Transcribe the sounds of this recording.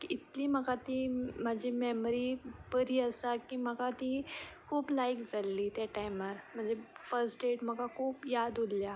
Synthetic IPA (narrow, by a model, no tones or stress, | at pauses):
iit̪liːməkat̪imad͡ʑʱimɛmɾipəɾiːəsakim̤əkat̪ikʰuːplajkd͡zalːiːt̪jaʈajmaɾm̤əɳd͡zefəɾsʈɖeʈm̤əkakʰuːpjad̪olːja